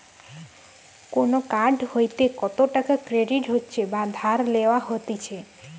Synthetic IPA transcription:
konokaɖhojt̪ekɔt̪oʈakakɾeɖiʈɦotːt͡ʃʰebad̪ʱaɾleʋaɦot̪it͡ʃʰe

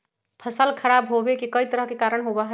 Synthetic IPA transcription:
pʰəsəlkʰəɽabɦobekikəit̪əɾəɦkekaːɾəɽ̃ɦobaɦ

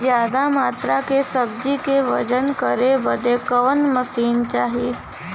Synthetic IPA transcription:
d͡ʒjaːd̪amaːt̪ɾakesəb̚d͡ʒikeʋəd͡ʒənkəɾebəd̪ʱekəʋənməsiːnt͡ʃaːɦiː

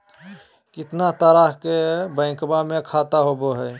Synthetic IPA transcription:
kɪt̪nat̪əɾaːɦkebə̃ɪ̃kbamẽkʰaːt̪aɦoboɦɛː

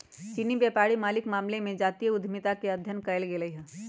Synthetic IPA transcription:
t͡ʃinibjɛːpaːɾimaːlɪkmaːmlemẽd͡ʒaːt̪ijəʊd̪ʱmɪt̪akeɐd̪ʱjənkɐjlɡelɐiɦɛ̃ː

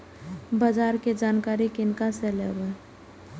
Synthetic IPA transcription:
bad͡ʒaːɾked͡ʒaːnkaːɾikɪnkaselḛːbə

